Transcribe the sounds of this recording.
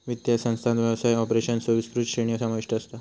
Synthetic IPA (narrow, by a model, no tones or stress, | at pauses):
ʋit̪jasə̃ñst̪ʰãnt̪ʋjaʋsajɔpɾeɕənsəʋispɾut͡ʃɕeɳiəsamaʋiʂʈəːst̪a